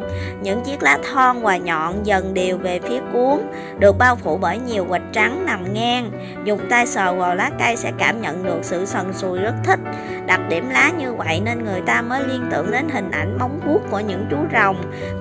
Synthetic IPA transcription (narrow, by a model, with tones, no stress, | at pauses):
ɲɨ̰˧˥ŋt͡ɕi˦˥ək̚laː˨˦t̪ʰɔ˧nvaː˨˩ɲɔ̰˧˨nzə˨˩nɗi˨˩əwve˨˩fi˨˦əku˨˦əŋ | ɗɨ˨˩ək̚ɓaː˧wfu˧˩ɓəː˧˩jɲi˨˩əwwə˨˩t̟̚t͡ɕa˨˦ŋna˨˩mŋɛː˧ŋ | zʊ˨˩ŋ͡m̚t̪aː˧jsəː˨˩waː˨˩wlaː˨˦ka˧jsɛ̰˧˥kaː˧˩mɲə̰˧˨nɗɨ˨˩ək̚sɨ̰˧˨sə˨˩nsu˨˩jzə˦˥t̚t̪ʰï˦˥k̟̚ | ɗa˨˩t̚ɗi˧˩əmlaː˨˦ɲɨ˧və̰˧˨jne˧nŋɨ˨˩əjt̪aː˧məː˨˦jli˧ənt̪ɨ̰˧˨əŋɗe˨˦nɦï˨˩ŋ̟ʔa̰˧˩jŋ̟ma˨˦wŋ͡mku˦˥əkku˧˩əɲɨ̰˧˥ŋt͡ɕu˨˦zə˨˩wŋ͡m